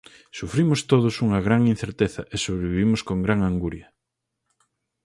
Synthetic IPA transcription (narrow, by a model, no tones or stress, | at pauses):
sufɾimʊst̪oðʊsuŋɐɣɾaŋin̟θeɾt̪eθɐʔesoβɾeβiβimʊskoŋɡɾaŋaŋɡuɾjɐ